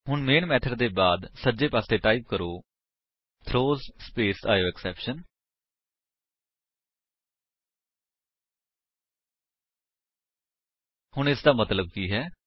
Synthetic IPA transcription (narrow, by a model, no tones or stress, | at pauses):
hʊɳmeːnmɛːt̪ʰəɖd̪eːbaːd̪səd͡ʒeːpaːseːʈaːip̚kəɾoː | t̪ʰɾoːzspeːsa̰ːjoːɛksɛːpʃən | hʊɳ̃ɪsd̪aːmət̪ləb̚kiːɦɛː